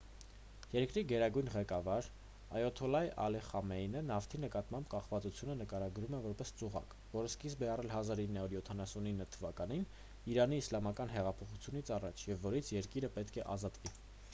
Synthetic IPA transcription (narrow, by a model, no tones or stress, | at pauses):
jɛɾkɾiɡɛɾɑɡujnʁɛkɑvɑɾ | ɑ̰jɔt̪ʰɔlɑjɑ̰lɛχɑmɛjnənɑft̪ʰinəkɑt̪mɑmbkɑχvɑt͡sut͡sʰjunənəkɑɾɑɡɾumɛvɔɾpɛst͡suʁɑ̰k | vɔɾəskisbɛɑrɛlɦɑzɑɾinːɑuɾjɔt̪ʰɑnɑsuninːət̪ʰəvɑkɑnin | iɾɑniːslɑmɑkɑnɦɛʁɑpʰɔχut͡sʰjunit͡sʰɑrɑt͡ʃʰjɛvːɔɾit͡sʰjɛɾkiɾəpɛt̪kʰɛʔɑzɑt̪vi